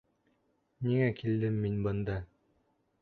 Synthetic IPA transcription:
niŋækild̪ɘmːinbɤ̆nd̪ɑ

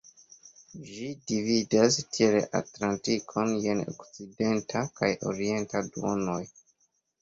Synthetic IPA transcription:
d͡ʒidividastʰieɾḛʔa̰tlantikʰo̞nje̞no̰kt͡side̞ntʰakajo̞̰ɾie̞ntaduo̰no̞j

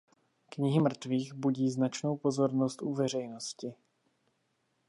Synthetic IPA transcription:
kɲɪɦɪmr̩t̪viːxbuɟiːznat͡ʃno̞wpo̞zo̞ɾnost̪ʔuvɛr̝ɛjnoscɪ

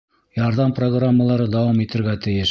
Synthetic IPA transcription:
jɑɾðɑmproɡramːəlˠɑɾɤd̪ɑwɑmit̪ɘ̆ɾɡæt̪ɘ̆jɘʃ

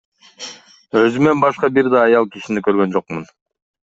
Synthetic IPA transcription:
ø̞zyme̞nbɑʃqɑbiɾd̪ɑːjɑlˠkiʃinikø̞ɾɡø̞nd͡ʒo̞qmun

